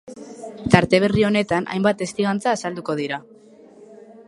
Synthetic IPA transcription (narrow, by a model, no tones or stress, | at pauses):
t̪aɾt̪e̞β̞e̞rio̞ne̞t̪anʔa̰jmbat̪e̞st̪iɣant͡saːsald̪uko̞ð̞iɾa